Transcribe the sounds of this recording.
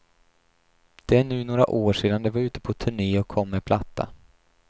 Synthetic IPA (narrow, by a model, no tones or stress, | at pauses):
d̪̥ɛæɳʉ̟ːnoːɾa̰ʔoːʂeːd̪and̪ɛvaɾʉ̟ːt̪ə̥pʰɔt̪ʰɵɳeːɔkʰːɔmːɛpʰlat̪ʰːa̰